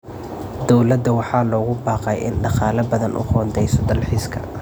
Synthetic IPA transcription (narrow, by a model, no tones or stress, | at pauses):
d̪ɔwlɐd̪ɐwɑħɑːlɔːɣʊbɑːqɛjʔɪ̰nɖɑqɑːlɐbɐðɐnʔʊ̰hɔːnd̪ɛjsɔd̪ɐlħiːskʰɐ̰